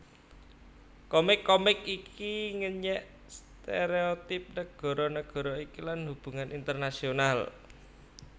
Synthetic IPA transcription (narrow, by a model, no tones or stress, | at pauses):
kɔmɪkːɔmɪkikiŋəɲɛʔ | st̪eɾeot̪ɪp̚nəɡ̥ɔ̤ɾɔnəɡ̥ɔ̤ɾɔikilanhub̥ṳŋanʔint̪ərnasional